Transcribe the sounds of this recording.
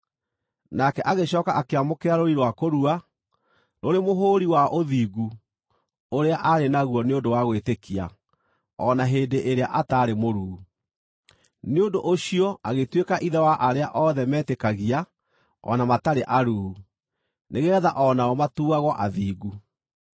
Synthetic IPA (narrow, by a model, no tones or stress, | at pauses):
nakɛʔaɣeɕɔːkaʔakeamokeaɾoiɾwakoɾua | noɾemoɦoːɾiwaʔoðiːɣu | oɾeaʔaɾenaɣuɔneondowaɣwetekʰia̰ | ɔnaɦeːndeʔeɾeaʔataːɾemoɾuːu | neondoʔoɕiɔaɣetwekaʔiðɛwaʔaɾeaʔɔðɛmɛːtekaɣia | ɔ̰namataɾeʔaɾuːu | neɣɛðaʔɔnaɔmatuːaɣɔʔaðiːɣu